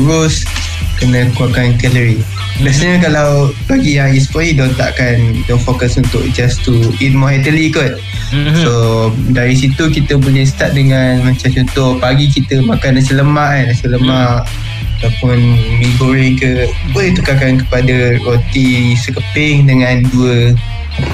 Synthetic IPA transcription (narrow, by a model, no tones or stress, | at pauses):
ɾʊs | kənəkuakankɛləɾi | basɲəkalawbaɡijãispɔidont̪a̰ʔkandonfokəsunt̪ʊ̰ʔ̚d͡ʒast̪uitmɔɛt̪əlikon | sodaɾisit̪ukit̪əbulɛhst̪aʔ̪̚dəŋanmãt͡ʃamt͡ʃɔnt̪ʊhpaɡik̬it̪əmãkanasələmãʔnasələmaʔ | at̪apʊnmiɡuɾɛŋkə | bolet̪ukakankəpadaɹot̪isəkəpɪŋdəŋãnduə